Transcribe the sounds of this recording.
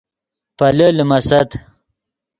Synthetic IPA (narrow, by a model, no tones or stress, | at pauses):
pɐləlimɐsɐt̪